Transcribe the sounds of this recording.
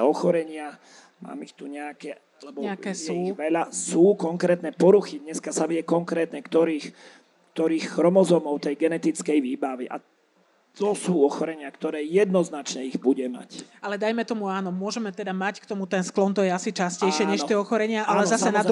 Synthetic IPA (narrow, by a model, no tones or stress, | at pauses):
ɔxɔɾɛɲɪa | ma̰ːmixt̪uɲɛakɛ | lɛbɔɛakɛsjɣʋɛʎasuːkɔŋkɾɛːt̪nɛpɔɾuxid̪ɲɛskasaʋiɛkɔŋkɾɛːt̪ɲɛkt̪ɔɾiːx | kt̪ɔɾiːxxɾɔmɔzɔmɔʊt̪ɛjɡɛnɛt̪it͡skɛjʋiːbaʋiʔa̰ | t̪ɔsuːɔxɔɾɛɲɪakt̪ɔɾɛːjɛd̪nɔznat͡ʃɲɛiɣbuɟɛma̰calɛd̪ajmɛt̪ɔmuaːnɔmʊɔʒɛmɛt̪ɛd̪amackt̪ɔmut̪ɛnsklɔnt̪ɔjɛasit͡ʃascɛjʃɪɛɲɛʃt̪ɪɛɔxɔɾɛɲɪaʔalɛzasɛnad̪